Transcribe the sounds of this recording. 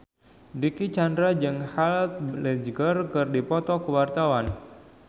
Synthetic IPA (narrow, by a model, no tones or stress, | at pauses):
dikit͡ʃandɾad͡ʒɨŋhalt̪̚blɛd͡ʒɡərkɨrdipɔt̪ɔkəwart̪awan